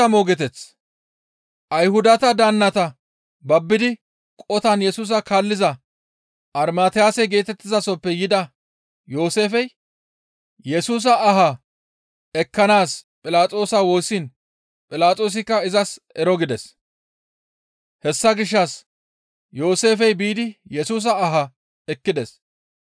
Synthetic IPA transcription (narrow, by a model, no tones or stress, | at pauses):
ɐmoːɡɛt̪ɛt͡s | ʔɐjhʊd̪ɐt̪ɐd̪ɐnːɐt̪ɐ | bɐbːɪd̪ɪ | kʼɔt̪ɐnjɛsuːs̬ɐkaːlːɪzɐ | ʔɐɾmaːt̪ɪjaːsɛɡe̞ːt̪ɛt̪ːɪzɐsɔpːɛjɪd̪ɐ | jo̞ːse̞ːfɛj | jɛsuːs̬ɐːɦɐ | ɛkːɐnaːspʼɪlaːt͡sʼo̞ːsɐwo̞ːsːin | pʼɪlaːt͡sʼo̞ːs̬ɪkːɐɪzɐsɛɾɔɡɪd̪ɛs | hɛsːɐɡɪʃ̬ːɐs | jo̞ːse̞ːfɛjbiːd̪ɪjɛsuːs̬ɐːɦɐ | ɛkːɪd̪ɛs